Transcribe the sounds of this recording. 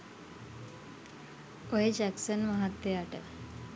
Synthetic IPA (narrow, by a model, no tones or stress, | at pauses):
oɦed͡ʒæksənmaɦat̪ːejaʈə̰